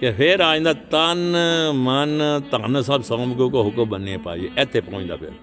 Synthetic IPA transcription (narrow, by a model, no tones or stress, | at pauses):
kepʰeɾaːĩːnd̪aːt̪anmɐnt̪ãːnsaːbsãːmkõkoɦʊkubənepa̰ːieʔɛt̪ʰːepõːĩnd̪a̰ːpʰɪ̰ɾ